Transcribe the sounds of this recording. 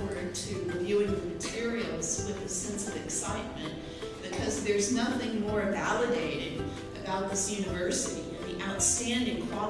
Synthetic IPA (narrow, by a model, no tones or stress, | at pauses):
ə˞tʰɨɹɨvjʉɪ̃ŋðɨmɨtʰɪɹil̩ˠz̥wɨðɨ̥sɛ̃nsʌvɨksaɪt̚mɨ̰̃n | b̥ɨkʰʌzðə˞znʌθɪ̃ŋmɔɹɨ̃vælˠədeɪɾɪ̃ŋ | ɨbaʊt̪̚ðɪsjʉnɨvɜ˞sɨɾḭɨ̰̃nðiʔaʊtstæ̃ndɪ̃ŋpʰɹ̥ɑ